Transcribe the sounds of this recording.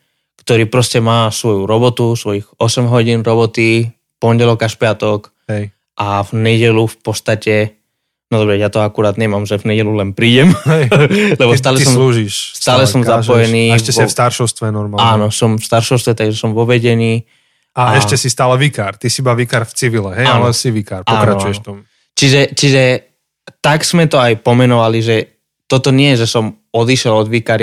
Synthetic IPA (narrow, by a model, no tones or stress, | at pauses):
kt̪ɔɾiːpɾɔscɛmaːsʋɔjuɾɔbɔt̪usʋɔjiɣɔsɛmɦɔɟiːnɾɔbɔt̪i | pɔɲɟɛlɔkaʃpɪat̪ɔk | ɛ | ʔavɲɛɟɛlufpɔst̪acɛ | nɔd̪ɔbɾɛjat̪ɔakuɾaːd̪ɲɛmamʒɛvɲɛɟɛlulɛnpɾiːɟɛmɦɛjlɛbɔs̬t̪aːlɛssɔmluːʒiʃst̪aːlɛsɔmzapɔjɛniːɛʃɛsfst̪aɾʃɔʊst̪ʋɛnɔɾmalaːnɔsɔmfst̪aɾʃɔʊst̪ʋɛt̪aɡʒɛsɔmʋɔʋɛɟɛniː | aɛʃcɛsist̪aːlɛʋikaːɾt̪isibaːʋikaɾft͡siʋilɛɦɛjaalɛsiʋikaɾpakɾat͡ʃujɛʃt̪ɔm | t͡ʃiʒɛt͡ʃiʒɛ | t̪aɡz̥mɛt̪ɔajpɔmɛnɔʋaliʒɛ | t̪ɔt̪ɔɲɪɛʒɛsɔm | ɔd̪iʃɛlɔd̪ʋikaɾ